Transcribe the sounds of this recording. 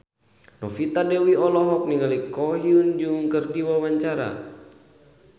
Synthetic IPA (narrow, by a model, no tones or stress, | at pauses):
nɔfit̪adɛwiɔlɔɦɔk̚niŋalikɔɦiund͡ʒuŋkərdiwawaɲt͡ʃaɾa̰